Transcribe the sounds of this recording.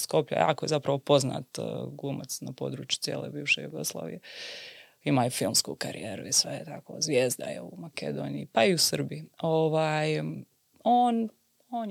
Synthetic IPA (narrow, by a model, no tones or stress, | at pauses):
sko̞pʎa̰jʔa̰ːkoje̞zapɾaʋo̞po̞zna̰ːt̪ɡumat̪snapo̞̰d̪ɾuːt͡ʃju̥t̪sjeːlḛbiːʋʃejuɡo̞slˠa̰ːʋije | imaːufilˠmskuːkaɾije̞ːɾuisʋeet̪ako̰zʋjeːzd̪a̰jḛumakḛd̪o̞ːnijipaiusərbioʋaːj | oːn | oːn